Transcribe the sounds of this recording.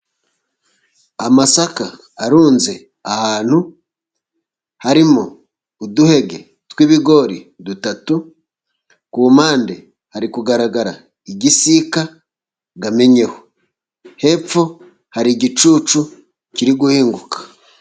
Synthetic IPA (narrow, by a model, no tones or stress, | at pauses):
amasakaː | ɾuːnze̞ | ahaːn̥hu | haɾimoː | duhe̞ɡe̞ | twiβiɡo̞ɾidutatu | kumaːnde | haɾikuɡaɾaɡaɾa̰ | iɟisika | ɡame̞ɲe̞ho̥ | he̞p͡fo̞ | haɾiɟit͡ʃuːt͡ʃu | ciɾiɡuhiːŋɡukḁ